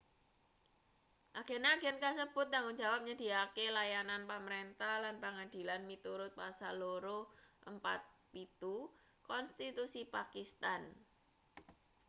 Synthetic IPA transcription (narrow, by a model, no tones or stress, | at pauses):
ʔaɡ̥enaːɡ̥ɛnkasəb̥ʊ̤t̪̚ːaŋʊŋd͡ʒa̤wap̚ɲəd̥iakelajananpəməɾent̪ahlanpəŋad̪̥i̤lanmit̪uɾʊt̪̚pasaloɾoʔəmpa̰t̪̚pit̪u | kɔnst̪it̪usipakist̪an